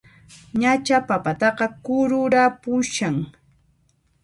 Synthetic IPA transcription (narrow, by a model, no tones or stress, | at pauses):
ɲat͡ʃapapat̪ɑqɑkʊɾʊɾapʊʃaŋ